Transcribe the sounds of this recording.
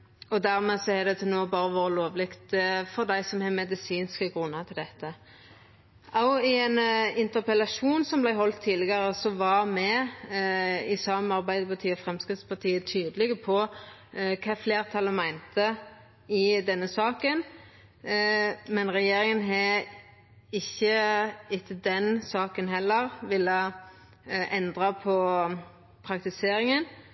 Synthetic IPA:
ɔd̪æɾmeːsɔɛd̪ɛt̪ʰɛnoːbɑːɾəʋoːɾəloːʋlɪkt̪fɔɾd̪æɪsɔmhɑmɛd̪ɪsiːnskəɡʁʉnːət̪ʰɪld̪ɛt̪ːə | ɑʊɪɛnɪnt̪əʁpɛlɑʂuːnsɔmblæɪɦɔlt̪ʰːiːd̪lɪɡəɾəsɔʋɑɾmɛ | ɪsɑmɑʁbæɪd̪əpɑt̪ʰiːɔfʁɛmskʁɪt̪spɑt̪ʰiːət̪ʰyːd̪əlɪɡəpʰɔ | kʰɑːfleːɾt̪ʰɑləmæɪnt̪ə | ɪd̪ɛnːəsɑːkən | mɛnʁɛjeːɾɪŋənɦɛ | ɪçːəɪt̪ʰːəd̪ɛnsɑːkənɦɛlːəʁʋɪlːə | ʔɛnd̪ʁɑpʰɔ | pʰʁɑkt̪ɪseːɾɪŋən

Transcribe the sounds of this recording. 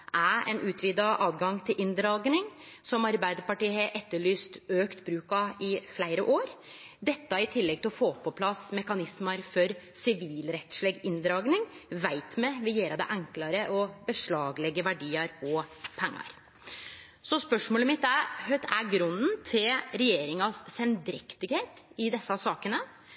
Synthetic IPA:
ʔæɛ̰nʔʉːt̪ʰʋiːd̪ɑʔɑːd̪ɡɑŋt̪ʰɪlʔɪnd̪ɾɑːɡnɪŋ | sɔmɑɾbæɪd̪əɾpɑʈiːheʔɛt̪ːəɭyːst̪øːkt̪bɾʉːkɑɪflæɪɾəʔoːɾ | d̪ɛt̪ːɑɪt̪ʰɪlːɛɡ̚t̪ɪlɔfoːpʰɔpʰlɑsmɛkɑnɪsmɑɾfɔɾ | sɪʋiːlɾɛt̪ʂleːɡɪnd̪ɾɑːɡnɪŋʋæɪt̪mɛʋɪjeːɾɑd̪ɛ̰ʔæŋklɑɾəʔɔbəʂɭɑːɡlɛɡːəʋæɖiːəɾɔpʰɛŋːɑ̰ɾ | sɔspœʂmoːləmɪt̪ːæhœt̪æɡɾʉnːnt̪ʰɪlɾɛjeːɾɪŋɑsɛnd̪ɾɪkt̪ɪɡheːt̪ɪd̪ɛsːɑsɑːkənə

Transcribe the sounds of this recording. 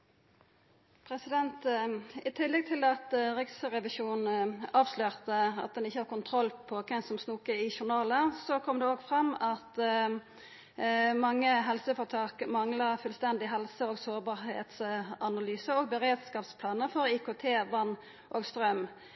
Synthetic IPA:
pʰɾɛsɪd̪ɛnt̪ɪt̪ʰɪlːɛɡ̚t̪ʰɪlɑt̪ʁɪksʁɛʋɪʃuːnɑːʋsløːʁt̪əɑ̰t̪̚d̪ɛnɪçːəhɑːʁkʊnt̪ʰʁɔlpʰɔkʰɛsɔmsnuːkəɪʃʊʁnɑːləsɔkʰɔmd̪ɛoːɡfʁɑmːɑt̪ | mɑŋːəɦɛlsəfɔʁt̪ʰɑlkmɑŋləfʉlst̪ɛnd̪ɪɦɛlsəoːɡsoːʁbɑːʁhḛːt̪sɑnɑlyːsəoːɡ̚bəʁeːd̪skɑːpspʰlɑːnəfɔʁikoːt̪ʰeːʋɑnː | ʔoːɡst̪ʁœm

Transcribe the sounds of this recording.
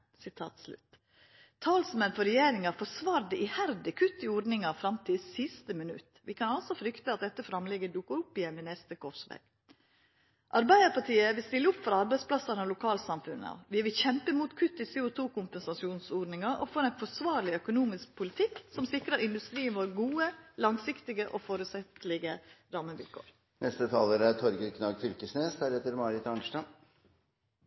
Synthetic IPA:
sɪt̪ʰɑ̰ːt̪slʉ̰t̪ | t̪ʰɑːlsmɛnfɔɾɛjeːɾɪŋɑfɔsʋɑːɾd̪əʔɪhæɾd̪əkʰʉt̪ːɪɔɖnɪŋɑfɾɑmt̪ʰɪlsɪst̪əmɪnʉ̰t̪ʋɪkʰɑnɔlsɔfɾʏkt̪əɑt̪̚d̪ɛt̪ːəfɾɑmlɛɡəd̪ʊkːəɾʊpːɪjɛmːɪnɛst̪əkʰɔfsʋḛːɡ̥ | ʔɑɾbæɪd̪əɾpʰɑʈʰiːəʋɪlst̪ɪlːəʊpfɔɾɑɾbæɪsplɑsɑnɔlʊkʰɑːlsɑmfʉnəɑ̰ʋʋɪʋɪlçɛmpəmuːt̪kʰʉt̪ːɪseːʊt̪ʰuːkʰʊmpɛnsɑsɪuːnsoːɖnɪŋɑʔɔ̰foːɾɛɪnfɔsʋɑːɾɭɪœkʊnuːmɪsk̚pʰʊlɪt̪ʰɪksɔmsɪkɾəɾɪnd̪ʉst̪ɾiːənʋoːɾɡuːəlɑŋsɪkt̪ɪɡəʔofoːɾʉːt̪sɛt̪lɪɡəɾɑːməʋɪ̰lkʰo̰ːɾ | nʔɛst̪ət̪ʰɑːləɾət̪ʰɔɾɡəɾkʰnɑːɡfʏlkəsneːsd̪æːɾheːt̪əɾmɑɾɪt̪ɑnʂʈɑm

